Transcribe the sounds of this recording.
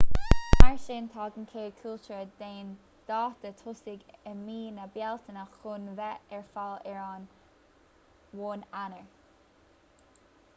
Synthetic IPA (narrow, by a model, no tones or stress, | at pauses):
aɹʃeːnt̪ʰɑːɡənkʰeːkʰʊlt͡ʃəɹədeːn | d̪̥ɑːt̪ətʰʊsɪɡənmiːnəbjɛlt̪ʰənəxʊnvɛʔɛɹfalɛɹɑːn | woːnanəɹ